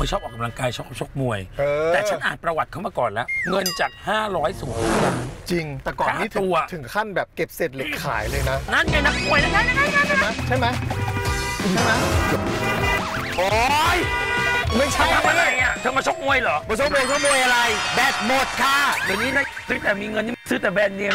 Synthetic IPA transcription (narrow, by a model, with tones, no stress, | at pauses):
kɔ˨˩jt͡ɕʰɔː˥˩p̚ɔː˨˩ka˧mla˧ŋkaː˧jt͡ɕʰɔ˦˥˩t͡ɕʰo˦˥k̚mu˧˩əjʔɤː˧ɛː˨t͡ɕʰa˦nʔaː˨˩t̪̚pɾa˧wa˨t̪̚kʰwmaː˧kɔː˨˩nlɛ˦˥ŋɤ˧nt͡ɕaː˨˩k̚haː˥˩ɾɔː˦˥jsuː˩˦bɛː˧˨˩t͡ɕi˧ŋt̪ɛː˨˩kɔː˨anː˥iː˨˦˥t̪ʰu˧ɐ˧t̪ʰɯ˨˩˦ŋkʰa˥˩nbɛː˨˩p̚ke˨˩p̚se˨˩t̪̚le˨˩k̚kʰa̰ː˩˦jlɤː˧jna˦˥na˦˥˩ka˧jna˦˥k̚mu˧əjla˦˥˩a˦˥˩na˥a˥˩a˥˩a˥˩jma˦˥jt͡ɕʰa˥˩jma˦˥j | ma˦˥jo˨˩˧ | ʔɔ˧˦j | ma˥˩jt͡ɕʰa˦˥t̪ʰa˧˥˩mʔa˧˩ɾa˧jʔa˨˩t̪ʰɤː˧maː˧t͡ɕʰo˦˥k̚mu˧əjlɔː˨˦mɔ˧t͡ɕʰo˦˥k̚mu˧kɔː˥˩mu˧əjʔa˧ɾa˧jbɛː˨˩t̪̚mo˨˩t̪̚kʰa˥˩da˨˩niː˦˥na˧˩t̪ʰɯ˨˦t̪ɛː˨˩miː˧ŋɤ˧nt̪ʰːi˥˩sɯː˦˥˩t̪ɛː˨˩bɛː˧nːi˧ə˧